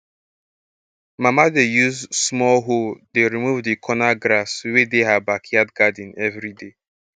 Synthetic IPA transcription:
mamadejuzsmɔlɦodeɾimuvdikʰɔnaɡɾaswedeɦabakʰiadɡadĩnɛvɾide

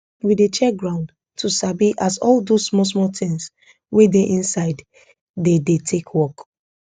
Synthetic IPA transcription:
widet͡ʃɛɡɹãʊ̃nd | tʰusabiʔasɔldosmɔs̬mɔtɪ̃ŋs | wedeʔĩnsaɪd | dedetʰekʰwɔk

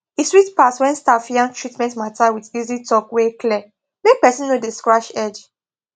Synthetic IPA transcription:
eswitpaswɛ̃nstafijãntʰɹitmɛ̃ntmatawidizitɔkwekʰlɛ | mek̚pɛsĩnːodeskɹaʃɛd͡ʒ

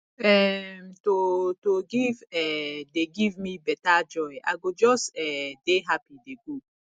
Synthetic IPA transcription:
ɛmtotoɡivɛdeɡivmibɛtad͡ʒɔja̰ɡod͡ʒɔstɛdeɦapideɡu

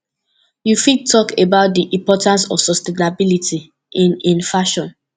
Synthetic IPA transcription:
jufid̚tʰːɔkʰebaʊt̚diʔĩmpɔtãnsɔ̰v̥sɔstenabilitʰi | ʔĩnĩnfaʃɔ̃n

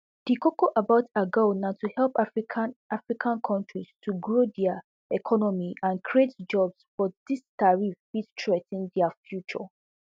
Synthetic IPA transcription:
d̥ikokoʔabaʊtʰaɡonãtuhɛlˠpʰ | ʔafɹikʰãnkʰɔ̃ntɹistʰuɡɹodɛa | ɛkʰɔnɔmiʔãnkʰɹietd͡ʒɔbsfɔdistaɹifistʰɹetɛ̃ndɛafjut͡ʃɔ̰

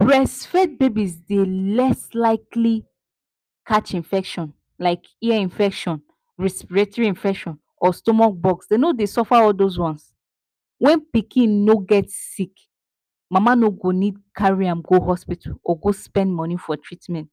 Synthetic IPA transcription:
pɹɛsfɛt̚bebisdelɛslaɪkli | kʰat͡ʃĩnfɛkʃɔ̃n | laɪk | iaĩnfɛkʃɔ̃n | ɹɛspiɹatɔɹiĩnfɛkʃɔ̃n | ɔstɔmak̚bɔksdenodesɔfaɔldozwɔ̃ns | wɛ̃npikʰĩnːoɡɛtsik | mãmanoɡonid̚kʰaɹiãmɡoɦɔspitʰalɔɡospɛ̃ndmɔ̃nifɔtʰɹitmɛ̃nt

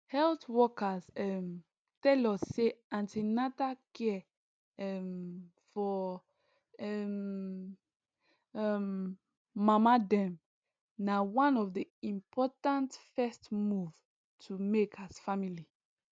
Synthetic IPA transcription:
hɛlθwɔkazɛm | tɛlɔsːeãntinatakɛ | ɛm | fɔ | ɛm | ɛmː | amadɛ̃m | nawãnɔvdiĩmpʰɔtãntfɛstmuv | tʰumekasfamili

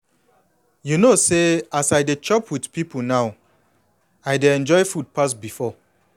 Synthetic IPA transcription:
junoseasaɪdet͡ʃɔpʰwidpip̩ʰnaʊ | aɪdeɛ̃nd͡ʒɔɪfud̚pasbifɔ

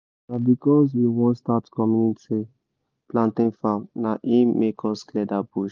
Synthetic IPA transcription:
nabikɔzwiwɔ̃statkɔmjuniti | plãntĩŋfãmnaʔĩmekʰɔsklɛdabuʃ

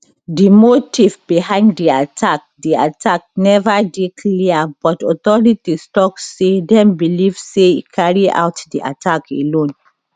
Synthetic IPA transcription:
dimotʰivbihãɪ̃nddiatʰak̚dia̰tʰak̚nɛvadekʰliabɔtɔtɔɹitistɔksedɛ̃mbilivseḭkʰaɹia̰wtdiʔa̰tʰakḛlõn

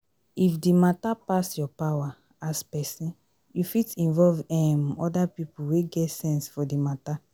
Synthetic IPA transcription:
ifdimatapasjɔpawa | aspɛsĩn | jufitĩnvɔlvɛmɔdapipuweɡɛtsɛ̃nsfɔdimata

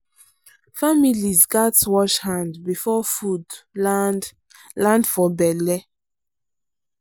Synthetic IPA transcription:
familizɡatwɔʃhãndbifɔfud | lãndfɔbɛlɛ

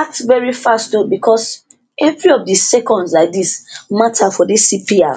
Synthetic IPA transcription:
atvɛɹifastnobikʰɔs | ɛvɹiɔfdisɛkɔ̃ndslaɪk̚dismatʰafɔdisipia̰

